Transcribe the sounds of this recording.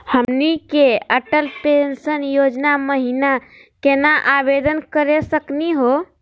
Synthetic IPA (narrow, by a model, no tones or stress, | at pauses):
həmnikeəʈəlpensənjod͡ʒnaməɦina | kenaʔabed̪ənkəɾesəkniɦo